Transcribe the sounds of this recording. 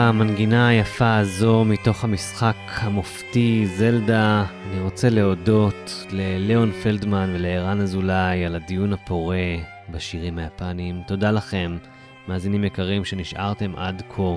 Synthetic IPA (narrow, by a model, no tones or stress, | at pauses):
amanɡinajafaːzo̞mito̞χhamisχakhamoftize̞ldaːniʁo̞t͡se̞le̞o̞do̞tle̞leo̞nfeldmanve̞leeʁanazulajaladijunhapo̞ʁe̞ | baʃiʁimhajapanimto̞dalaχe̞mː | aːzinimekaʁimʃe̞niʃʔa̰ʁte̞mʔa̰dkʰo